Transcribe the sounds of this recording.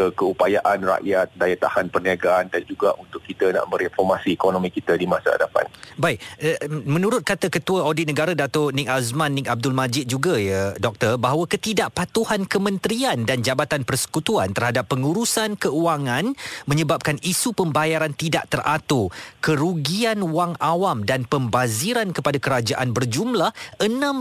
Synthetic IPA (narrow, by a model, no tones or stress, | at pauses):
əkəupajaʔanra̰ʔjat̪̚dajat̪a̰hanpərniaɡaʔandand͡ʒuɡaʔunt̪ʊkːit̪ana̰ʔbəɾinfɔrmasikonomĩkit̪adimãsa̰a̰dapa̰nbaɪk̚mə̃nũɾʊt̪̚kat̪akət̪uaodɪt̪̚nəɡaɾadat̪ʊrnikasmãnːik̚ab̚dʊlmad͡ʒɪt̪̚d͡ʒuɡajədɔk̚t̪ərbaɦwakət̪idaʔpat̪uhankəmə̃nt̪ɾiandand͡ʒabat̪anpərsə̥kut̪uant̪ərhadapːəŋuɾusankəuaŋãnmə̃ɲəbap̚kanisupəmbajaɾant̪idaʔt̪ərʔat̪okəɾuɡianwaŋawamdanpəmbaziɾankəpadakəɾad͡ʒaʔanbərd͡ʒumlahʔənãm